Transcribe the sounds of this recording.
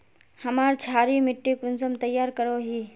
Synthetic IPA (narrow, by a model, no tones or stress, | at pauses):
hɐmaːɾt͡ʃʰaːɾimɪʈːekʊnsəmt̪əjːaːɾkəɾoɦiː